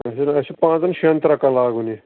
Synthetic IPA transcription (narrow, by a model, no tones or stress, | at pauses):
ɐsinɐsipãːt͡sɐnʃent̪ɾɐkãlaːɡuni